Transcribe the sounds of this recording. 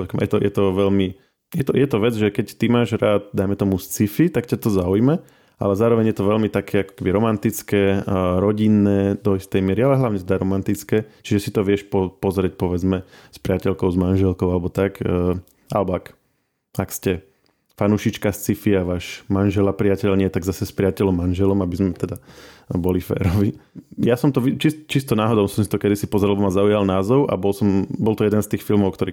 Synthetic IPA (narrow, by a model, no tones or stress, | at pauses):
kjɛ̰t̪ɔjɛt̪ɔʋɛlmi | jɛt̪ɔjɛt̪ɔʋɛd͡zʒɛkɛct̪imaːʒɾaːd̪̚d̪ajmɛt̪ɔmust͡sifit̪akcat̪ɔzaujmɛ | ʔa̰lɛzaːɾɔʋɛɲjɛt̪ɔʋɛʎmit̪akʰɛːakɔ̥kɛbiɾɔmant̪it͡skɛːɾɔɟinːɛːd̪ɔist̪ɛjmɪɛɾialɛɦlaʊɲɛsd̪aɾɔmant̪it͡skɛːt͡ʃiʒɛsit̪ɔʋɪɛʃpɔpɔzɾɪɛc̚pɔʋɛd͡zmɛspɾɪacɛlkɔʊzmanʒɛlkɔʊalɛbɔt̪akː | a̰lɛbɔak | akscɛ | fanuʃit͡ʃkast͡sifiaʋaːʃmanʒɛlapɾɪacɛlɲɪɛt̪aɡzasɛspɾɪacɛlɔmːanʒɛlɔmabizmɛt̪ɛd̪abɔlifɛ̰ːɾɔʋijasɔmt̪ɔʋit͡ʃist͡ʃist̪ɔnaːɦɔd̪ɔʊsɔmsi̥t̪ɔkɛd̪isipɔzɾɛlabɔmazaujalnaːzɔʊʔa̰bɔlsɔmbɔlt̪ɔjɛd̪ɛnst̪iːxfilmɔʊkt̪ɔɾiː